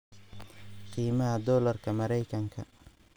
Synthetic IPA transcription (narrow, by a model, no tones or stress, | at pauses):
qʰiːmɐɦɐd̪ɔːlɐrkʰɐmɐɾɛjkʰɐŋkʰɐ̰